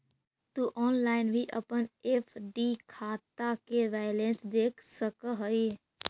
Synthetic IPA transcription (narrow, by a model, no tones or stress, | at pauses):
t̪uʔɔːnlaːɪnbʱiʔə̰pənepʰɖikʰaːt̪akeʋɛːjlẽːnsd̪eːkʰsəkəɦəi